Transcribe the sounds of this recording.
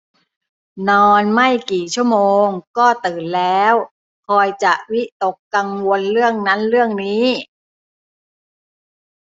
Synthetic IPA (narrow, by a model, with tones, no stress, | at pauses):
nɔː˧nma˥˩jkiː˨˩t͡ɕʰu˥˩əmoː˧ŋkɔː˥˩t̪ɯː˨˩nlɛː˦˥w | kʰɔː˧jt͡ɕa˨˩ʔwi˦˥t̪o˨˩kːa˧ŋwo˧nɾɯ˥˩əŋna˦˥nɾɯ˥˩əŋniː˦˥˩